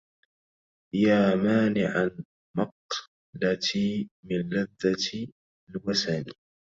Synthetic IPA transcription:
jaːmaːnɪʕan | mɑq | lat̪ʰiːmɪnlaðːat̪ | lwasani

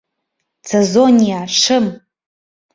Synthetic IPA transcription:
t͡sʰezonʲijaʂʰɨm

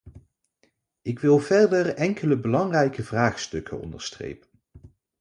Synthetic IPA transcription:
ɪkʋɪlˠvɛɹdəɹɛŋkʰələbəlɑŋrɛjkəvraːχstɵkənɔ̰ndəɹstrḛjpən

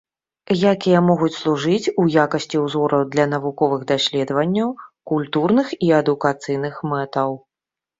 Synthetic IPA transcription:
jakʲijɐmɔɣut͡sʲslˠuʐɨt͡sʲujakɐsʲt͡sʲiwzɔɾɐwd̪lʲɐn̪ɐvukɔvɨɣd̪asʲlʲɛd̪vɐnʲːɐwkulʲt̪urnɨxiɐd̪ukat̪sɨjn̪ɨxmɛt̪ɐw

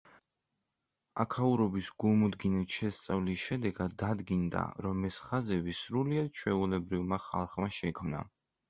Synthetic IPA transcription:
a̰kʰauɾɔbisɡulˠmud̪ɡinit̪ʃɛst̪sʼavlisʃɛd̪ɛɡad̪ːad̪ɡind̪a̰ɾɔmɛsχazɛvisɾuliad̪̥̚t͡ʃʰwɛulɛbɾivmaχa̰lˠχmaʃɛkʰmna̰

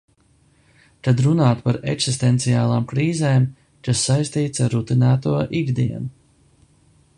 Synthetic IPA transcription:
t̪ad̪ɾunaːt̪paɾḛksist̪ɛnt̪siaːlˠaːmkɾiːzeːm | kasːajst̪iːt̪saɾːut̪inæːt̪uɔʔiɡd̪iɛnu

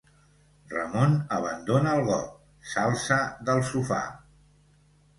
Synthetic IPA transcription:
rə̰monəβ̞ənd̪onəːlˠɣɔk̚ | salˠsəðəlˠsufa̰

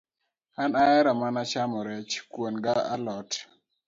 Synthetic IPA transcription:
anaɛɾɔmanat͡ʃamɔɾɛt͡ʃkwonɡaʔalɔt

